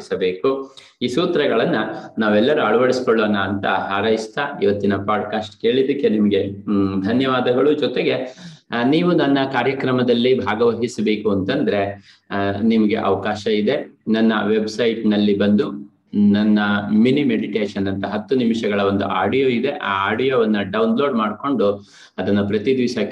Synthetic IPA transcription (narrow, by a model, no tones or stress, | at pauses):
sɐbe̞ːku | iːsuːt̪ɾɐɡɐɭɐnːɐnaːʋɛlːɐɾuɐɭɐʋɐɽisi̥koɭːoːnaːnt̪ɐ̰ɦaːɾɐjist̪aiʋɐt̪ːinɐpaːɖkaːsʈke̞ːɭid̪ɐkːe̞nimɐɡe̞d̪ʱɐnjɐʋaːd̪ɐɡɐɭud͡ʒɔt̪e̞ɡe̞niːʋunɐnːɐkaːɾjɐkɾɐmɐd̪ɐlːibʱaːɡɐʋɐɦisɐbe̞ːkuɐnt̪ɐnd̪ɐɾe̞ | nimɐɡe̞̰ʔɐ̰ʋɐkaːʃɐid̪e̞nɐnːɐ̰ʋe̞bsɐjʈnɐlːibɐnd̪u | nɐnːɐminimeɽiʈeːʃɐnɐnt̪ɐɦɐt̪ːunimʂɐɡɐɭɐʋo̞nd̪ṵʔaːɖijoːid̪e̞ʔaːaːɖijoːʋɐnːɐɖɐwnlo̞ːɖmaːɖko̞ɳɖu | ɐd̪ɐnːɐpɾɐt̪id̪ʋiːʃɐk